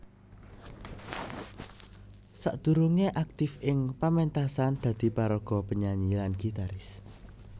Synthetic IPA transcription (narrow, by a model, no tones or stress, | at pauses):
sa̰ʔd̪̥ṳɾuŋeʔak̚t̪ɪfʔɪŋpamɛnt̪asand̪̥ä̤d̪̥i̤paɾɔɡ̥ɔ̤pəɲaɲilanɡ̥i̤t̪aɾɪs